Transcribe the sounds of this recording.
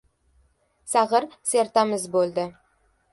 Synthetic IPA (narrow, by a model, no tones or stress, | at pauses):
saʁəɾseɾt̪amɪzbolˠd̪ɪ